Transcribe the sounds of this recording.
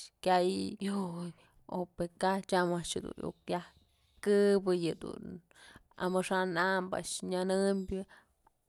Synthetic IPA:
kʲajjoj | o̰pekat͡ʃamaʔʂɨd̪ṵnjṵkjah | kɨbɨjɨd̪ṵn | a̰mɨʂanamba̰ʔʂɲanɨmbʲɨ

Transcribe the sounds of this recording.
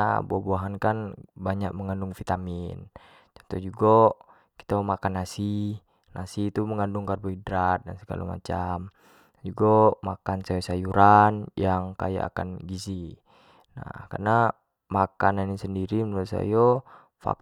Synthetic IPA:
buabuaɦankanbaɲak̚məŋandʊŋfit̪amin | t͡ʃɔnt̪ɔhd͡ʒuɡɔ | ki̥t̪amakanːasi | nasit̪uməŋanduŋkarbɔidɾat̪̚dansəɡa̰lo̰ma̰t͡ʃam | d͡ʒuɡɔmakansajɔsajuɾanjaŋka̰ja̰ːka̰nɡizi | na̰hkarna | makananisəndiɾimənuasa̰jɔ | fa̰k̚

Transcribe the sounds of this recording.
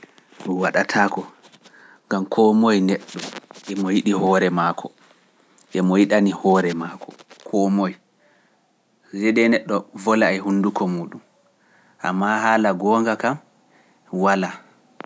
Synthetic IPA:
ɗunwaɗatʰakɔ | ɡamkʰɔmojnɛɗːɔʔɛmɔjiɗihɔɾɛmaːkʰɔ | ʔɛmɔjiɗanihɔɾɛmaːkʰɔkʰɔmoj | d͡ʒɛdɛnɛɗːɔvɔlaɛɦundukɔmuːɗum | ʔa̰mːahaːlaɡɔːŋɡakam | wala

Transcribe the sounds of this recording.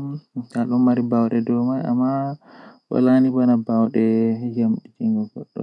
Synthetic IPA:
aɗɔnmaɾibawɗɛdɔmaja̰mːa | wa̰lanibanabawɗɛjamɗid͡ʒiŋɡɔɡɔɗːɔ̰

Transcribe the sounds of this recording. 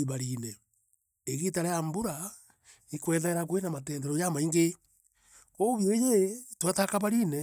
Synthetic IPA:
iβaɾinɛ | eɣitaɾejambuɾa | ikwɛðaɾak̬wenamatɛːndɛɾɔjamaiŋɡe | oβjoejetwatakaβaɾiːnɛ

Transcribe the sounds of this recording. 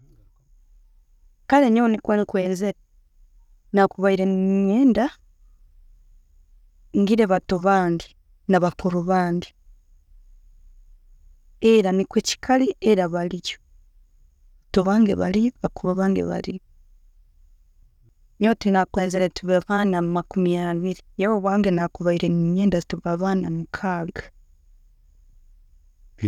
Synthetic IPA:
kaleɲonikwenikweːnzeɾe | nakuβaiɾeɲeːnda | ŋɡiɾeβatoβaːndi | naβakʰoɾoβaːndi | eɾanikweci̥kʰalieɾaβalico̥ | toβaːŋɡḛβa̰liβakoβaβaːŋɡḛβa̰li | notinakweːnzeɾetuβeβaːnamakumijaβiɾijeβoβwaːŋɡenakuβaiɾeŋiɲeːndaztuβaβaːnamukʰaɡḁ

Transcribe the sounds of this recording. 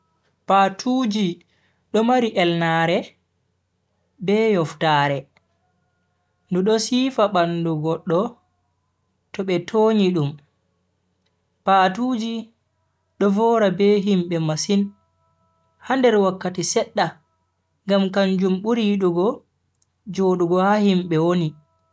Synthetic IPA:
patʰud͡ʒi | ɗɔmaɾiʔɛlnaːɾɛ | bɛjɔftaːɾɛ | nduɗɔsiːfaɓanduɡɔɗːɔ | tɔɓɛtʰoɲiɗum | paːtuːd͡ʒi | ɗɔvɔːɾabɛɦimɓɛmasin | handɛɾwakːatisɛɗːa | ŋɡamkaɲd͡ʒumɓuɾiɗuɡɔ | d͡ʒoːɗuɡɔhahimɓɛwoni

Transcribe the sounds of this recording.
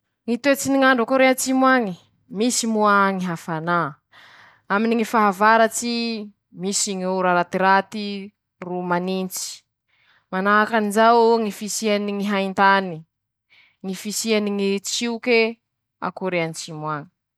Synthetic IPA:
ŋit̪et͡siniŋaɳɖ͡ʐakoɾeant͡ʃimwaŋi | misimuaŋiɦafana | aminiŋifaɦavaɾat͡ʃi | misiŋiuɾaɾat̪iɾat̪i | rumanint͡si̥ | manaɦakanizawŋifisianiŋiɦaint̪ani | ŋifisianiŋit͡ʃiuke | a̰koɾeanit͡ʃimwaŋi̥

